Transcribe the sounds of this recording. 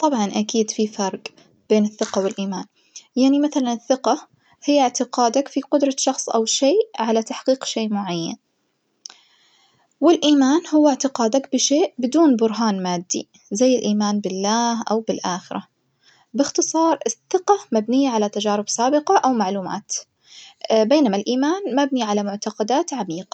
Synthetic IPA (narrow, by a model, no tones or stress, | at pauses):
t̪ˤɑbʕɑnʔakiːd̪fifɑɾˤɡ | b̥eːnɪθːɪqawɪlʔiːmaːn | jaʕnimaθalanɪθːɪqɑ | hɪjːɪʕt̪ɪqɑːd̪akfiqʊd̪ɾˤɑʃɑxsˤʔa̰wʃeːʕalat̪aħqiːqʃeːʔmʊʕajːa̰n | wɪlʔiːmaːnhʊwːɪʕt̪ɪqaːd̪akbɪʃeːʔbɪd̪uːnbʊɾɦaːnmaːd̪ːḭ | zajːɪlʔiːmaːnbɪlːaːhʔa̰wbɪlʔaːxɪɾʔa̰ | bɪxt̪ɨsˤɑːɾˤɪθːɪqɑmabnɪjːaʕalat̪ad͡ʒaːɾɪbsaːbɪqɑʔawmaʕluːma̰ːt̪ | beːnamalʔiːmaːnmabniʕalamʊʕt̪ɑqɑd̪aːt̪ʕamiːqɑ